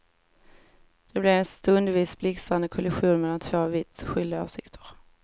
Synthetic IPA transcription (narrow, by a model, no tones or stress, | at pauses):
d̪̥ɛblɛɾɛnst̪ɵnd̪viːsblɪksand̪əkʰɔlɪɧuːnmɛlːant̪ʰv̥oːvɪt̪sɧʏld̪ɪo̰ːʂɪkt̪ʰə̥ɾ